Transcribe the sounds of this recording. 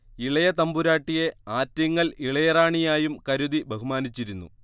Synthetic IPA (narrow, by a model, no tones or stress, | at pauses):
iɭɐjɐt̪ɐmbuɾaːʈːije̞aːtːɐŋːɐɭiɭɐjɐraːɳijaːjumkɐɾuðibʱɐɦumaːnit͡ɕːiɾunːṵ